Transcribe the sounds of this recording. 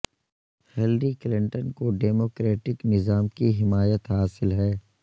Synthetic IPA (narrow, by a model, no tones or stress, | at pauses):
hɪlɾiklɪ̃ɳʈənkoɖeːmoːkɾeːʈɪknɪzaːmkiɦɪmaːjət̪ɦaːsɪlɦɛː